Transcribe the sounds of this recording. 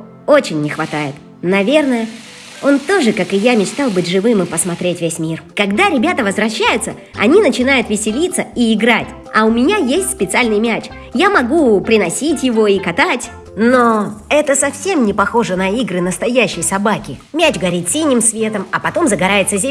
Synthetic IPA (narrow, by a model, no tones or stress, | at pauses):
o̞t͡ɕɪnʲːɪxvɐt̪ajɪt̪ | nɐvʲe̞rnəjə | o̞nt̪o̞ʐɨkakɨjamʲɪt͡ɕt̪alˠbɨtʲʐɨvɨmɨpəsmɐt̪ɾʲetʲvʲesʲmʲirkɐɡd̪aɾʲɪbʲat̪əvəzvɾɐɕːæjʊt̪sə | ɐ̰nʲinət͡ɕɪnajʊt̪vʲɪsʲɪlʲit̪sːəiɪɡɾatʲ | ɐʊmʲɪnʲajesʲtʲspʲɪt̪sɨalʲnɨjmʲæt͡ɕ | jamɐɡupɾʲɪnɐsʲitʲjɪvo̞ikɐt̪atʲ | noɛt̪əsɐfsʲemnʲɪpɐxo̞ʐənɐiɡɾɨnəst̪ɐjæɕːɪjsɐbakʲɪmʲæt͡ɕɡɐɾʲit̪sʲinʲːɪmsvʲe̞t̪əmɐpɐt̪o̞mzəɡɐɾajɪt̪səzʲe